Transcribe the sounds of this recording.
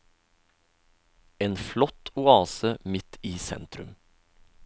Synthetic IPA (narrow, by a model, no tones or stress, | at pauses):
eːnflɔt̪ʊɑːsəmɪt̪ʰiːsɛ̰nt̪ɾʉm